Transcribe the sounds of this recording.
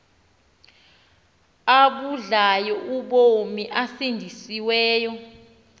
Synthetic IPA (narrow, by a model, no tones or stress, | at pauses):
aɓuɮajɔʔuɓomiʔasindʱisiwɛːjɔ